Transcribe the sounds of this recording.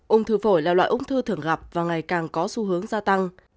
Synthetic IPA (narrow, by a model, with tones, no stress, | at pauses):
ʔʊ˧ŋ͡mt̪ʰɨ˧˩fo˧˩jlaː˨˩lwa̰ː˧˨ʔʊ˨˧˥ŋ͡mt̪ʰɨ˧t̪ʰɨ˨˧˩əŋɣa˨˩p̚vaː˨˩ŋa˨˩jkaː˨˩ŋkɔ˨˦su˧˦ɦɨ˨˦əŋzaː˧t̪a˧ŋ